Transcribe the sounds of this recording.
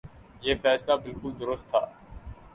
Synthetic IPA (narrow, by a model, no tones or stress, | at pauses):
jeːfɛːslaːbɪlkʊld̪ʊɾʊst̪ʰːaː